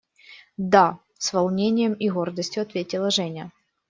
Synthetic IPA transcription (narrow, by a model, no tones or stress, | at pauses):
d̪a | svɐlˠnʲenʲɪjəmiɣo̞rd̪əsʲtʲjʊɐt̪vʲetʲɪlˠəʐɛnʲə